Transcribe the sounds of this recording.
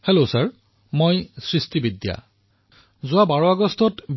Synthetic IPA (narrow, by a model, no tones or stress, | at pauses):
helosaɹ | mojsɹistibidja̰ | zʊabaɹɔaɡɔstɔtb